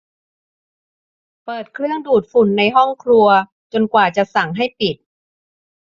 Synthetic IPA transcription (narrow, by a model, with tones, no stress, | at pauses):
pɤː˨˩t̪̚kʰɾɯ˥˩əŋduː˨˩t̪̚fu˨˩nːa˧jɦɔ˥˩ŋkʰɾu˧ɐ | t͡ɕo˧nkwaː˨˩t͡ɕa˨˩sa˨˩˦ŋɦa˥˩jpi˨˩t̪̚